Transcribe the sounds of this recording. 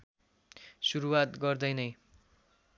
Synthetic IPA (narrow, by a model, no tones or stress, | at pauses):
suɾuwat̪ɡʌrd̪ʌjnʌj